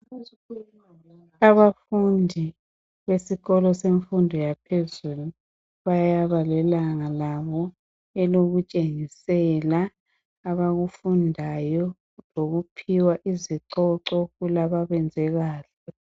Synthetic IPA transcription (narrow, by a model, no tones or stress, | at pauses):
aβafundʱi | βesiɣɔlɔseɱfundʱɔjapʰezulu | βajaβalɛlaŋalaβɔ | ɛloɣut͡ʃʼeŋisɛlaː | βaɣufundʱajɔ | loɣupʰiwaʔiziǁɔǁɔɣulaβaβɛnd͡zʱɛɣaːɬɛ